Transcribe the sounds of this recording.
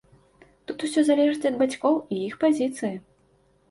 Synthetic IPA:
t̪ut̪usʲɔzalʲɛʐɨt͡s̪ʲɐd̪̚bat͡sʲkɔwijixpazʲit̪sɨji

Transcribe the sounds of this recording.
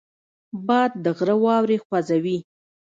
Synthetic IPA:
bɑjd̪̚ːəɣɾəwɑwɾexwazawi

